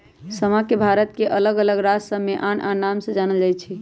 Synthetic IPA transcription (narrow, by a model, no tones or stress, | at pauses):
səmakebʱaɾət̪̚keʔələɡələɡɾasə̃mːeʔanʔanamsə̃d͡ʒanəld͡ʒajt͡ʃʰi